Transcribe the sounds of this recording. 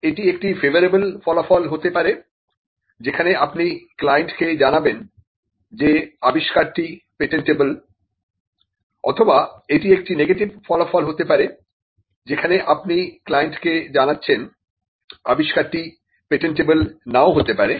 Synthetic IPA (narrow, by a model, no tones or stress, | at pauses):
eʈiek̚ʈifevoɾebolfɔlafɔlɦot̪epaɾe | d͡ʑekʰaneapniklajeɳʈked͡ʑanaben | d͡ʑeabiʃkaɾʈipeʈeɳʈebol | ɔ̰t̪ʰobaeʈiek̚ʈineɡeʈibfɔlafɔlɦot̪epaɾe | d͡ʑekʰaneʔap̚niklajeɳʈked͡ʑanatːɕʰen | abiʃkaɾʈi | peʈeɳʈebulnaoɦot̪epaɾe